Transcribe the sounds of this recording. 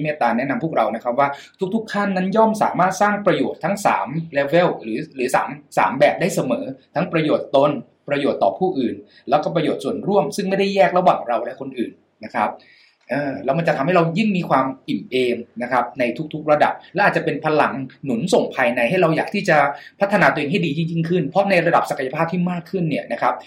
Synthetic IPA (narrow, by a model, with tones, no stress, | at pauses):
meː˥˧˩t̪aː˧nɛ˦˥na˧mpʰu˥˩k̚ɾa˧wna˦˥kʰp̚waː˥˩t̪ʰu˦˥k̚t̪ʰu˦˥kʰːa˥˩nːa˦˥njɔː˥˩msa̰ː˩˦maː˥˩t̪̚saː˥˩ŋpɾa˧joː˨˩t̪ʰːa˦˥ŋsa̰ː˩˦mlɛː˦˧we˦˥˨wɾɯː˩˦ɾɯː˩˦sa̰ː˩˦msa̰ː˩˦mbɛː˨˩p̚da˥˩jsa˧mɤː˩˦t̪ʰa˦˥ŋpɾa˧joː˨˩t̪ːo˧n | pɾa˧joː˨˩t̪ːɔː˨˩pʰuː˥˩ʔɯː˨˩n | lɛː˦˥wkɔː˥˩pɾa˧joː˨˩t̪̚su˨˩ənɾu˥˩əmsɯ˥˩ŋma˥˩jda˥˩jɛː˥˩k̚ɾa˧waː˨˩ŋɾa˧wlɛ˦˥kʰo˧nʔɯː˨˩nːa˦˥kʰa˦˥p̚ | ʔɤː˨˩lɛː˦˥wma˧t͡ɕa˨˩t̪ʰa˧mɦa˥˩ɾa˧ji˥˩ŋmiː˧kʰwaː˧mʔi˨˩mʔeː˧ŋna˦˥kʰa˦˥p̚na˧jt̪ʰu˦˥k̚t̪ʰu˦˥k̚ɾa˧da̰˨˩p̚lɛː˧˦˥ʔaː˨˩t̪̚t͡ɕa˨˩pe˧npʰa˧la˨˩˦ŋnu˨˩˦nso˨˩ŋpʰaː˧jna˧jha˥˩jɾa˧wjaː˨˩k̚t̪ʰiː˥˩t͡ɕa˨˩pʰa˦˥t̪ʰːa˧naː˧t̪u˧˨ʔeː˧ŋɦa˥˩jdiː˧t̪ʰi˥˩ji˥˩ŋkʰɯ˥˩npʰɾɔ˦˥na˧jɾa˧da˨˩p̚sa˨˩kʰa˧ja˧aː˥˩p̚t̪ʰiː˥˩maː˥˩kʰːɯ˥˩nːi˥˩ɐna˦˥kʰa˦˥p̚